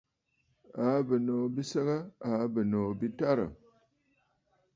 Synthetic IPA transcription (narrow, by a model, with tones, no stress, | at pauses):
a˨˦bə˨no˨bi˦sə˦ɣa˦a˨˦bə˨no˨bi˦ta˦ɾə̰˨